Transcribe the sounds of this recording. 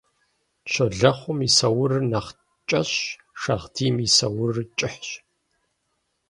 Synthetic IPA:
ʃʰɐɮɐχʷʊmisɐwʊrnɐχ | t͡ʃʼɐɕ | ʂɐʁdiːmisɐwʊrt͡ʃʼɪħɕ

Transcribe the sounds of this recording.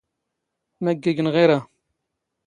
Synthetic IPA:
mæɡːiɡənʁiɾa

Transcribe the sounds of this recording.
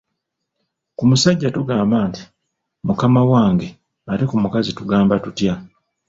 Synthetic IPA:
kumusaɟːatuɡaːmbaːnti̥ | mukamawaːŋɡe̞ | aɾikumukazituɡaːmbatutja

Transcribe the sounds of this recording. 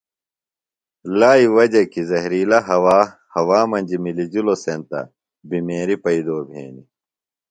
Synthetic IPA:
laːiwɐd͡ʑɐkizɐɦɾiːlɐɦɐwaː | hɐwaːmɐnʲd͡ʑimilid͡ʑulosent̪ɐ̰ | bimeːɾipɐid̪oːbʱḛːnḭ

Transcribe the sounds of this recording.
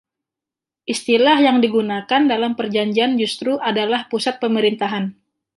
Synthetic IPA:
ʔist̪ilahjaŋdiɡunakandalampərd͡ʒaɲd͡ʒiand͡ʒust̪ɾuʔadalahpusat̪̚pəməɾint̪aɦan

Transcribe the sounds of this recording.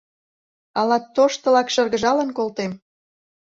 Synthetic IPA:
ɑlɑt̪ːoʃt̪ɤ̆lɑkʃə̆rɣə̆ʒɑlə̆nkolt̪em

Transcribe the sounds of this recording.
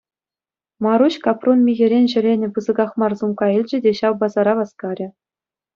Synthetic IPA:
mɑɾuɕkɑpronmʲiɣʲɘ̆ɾʲenʲʑɘ̆lʲenʲɘ̆pɯzɤ̆ɡɑχmɑrzumkɑilʲd͡ʑɘ̆dʲeɕɑwbɑzɑɾɑʋɑskɑɾʲɘ̆

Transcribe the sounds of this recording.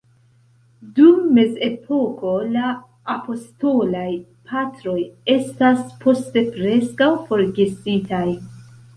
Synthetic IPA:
dumːe̞ze̞pʰo̞ko̞laː | po̞sto̞lajpʰatɾo̞je̞staspʰo̞ste̞pɾe̞skawfo̞ɾɡesitaj

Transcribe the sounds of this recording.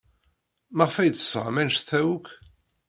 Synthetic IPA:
məʁfæjt̪ːə̥sˤə̰ʁmænʃθæwuk

